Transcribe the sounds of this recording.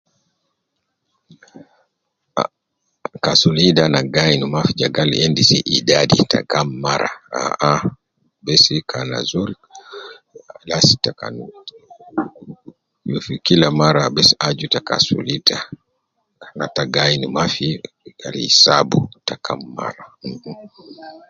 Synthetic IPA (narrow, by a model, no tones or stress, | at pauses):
a | kasulidanaɡainumafid͡ʒaɡalḭɛndisiʔidadḭtʰa̰kamːaɾa̰a̰a | bɛsikʰana̰zuɾi | lasi̥taka̰n | fikilamaɾabɛsiad͡ʒutaka̰sṵlita | nataɡainumafi | ka̰lḭisabutakamːa̰ɾam̩